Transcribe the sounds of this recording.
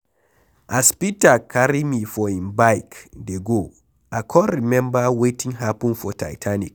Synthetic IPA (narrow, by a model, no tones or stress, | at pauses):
ʔaspitakʰaɾimifɔĩnbajkdɛɡo | ʔakʰɔːimɛ̃mbawetĩŋɦapunfɔtʰa̰jtʰanik̚